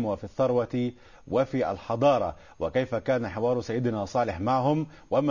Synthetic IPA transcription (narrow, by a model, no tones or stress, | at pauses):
mwɪfiθːɑɾˤwɑt̪ | wɪfiʔa̰lħɑd̪ˤɑːɾˤɑ̰ | wɪkajfakaːnaħɪwɑːɾˤʊsajːɪd̪nasˤɑːlɪħmaʕɦʊm | wam